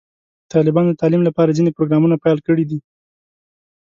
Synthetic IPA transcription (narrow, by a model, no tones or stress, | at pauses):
t̪ɑlɪbɑnd̪ət̪ɑlimlapɑɾazinepɾoɡɾɑmunapajlkəɽid̪i